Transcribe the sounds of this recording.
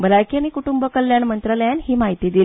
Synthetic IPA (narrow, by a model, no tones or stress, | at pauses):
bəɾajkʰiañikuʈumbəkəlːjaɳmənt̪ɾaləjanɦiːmaɦit̪iːd̪il